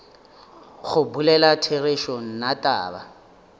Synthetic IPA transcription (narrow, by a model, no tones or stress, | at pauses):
ɣʊbulɛlatʰereʃon̩natʼa̰ːba̰